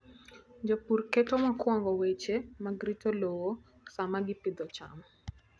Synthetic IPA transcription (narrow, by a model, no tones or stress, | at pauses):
d͡ʒopurketomakwɔŋɡɔwet͡ʃemaɡɾitolowo | samaɡɪpɪd̪ɔt͡ʃa̰m